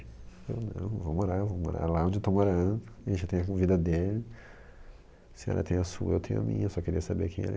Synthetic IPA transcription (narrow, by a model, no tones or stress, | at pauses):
ewnɐ̰̃võwmoɾaɾvowmo̰ɾa̰ɾlaõd͡ʒɪewt̪omoɾɐ̃d̪ʊẽʒat̪ẽj̃ɐkõvid̪ɐd̪elɪ | sẽɔ̰ɾɐt̪ẽj̃ɐsuɐḛwt̪ẽj̃ɐ̰mḭ̃ɲɐsɔkeɾiɐsabḛɾkẽɛ̰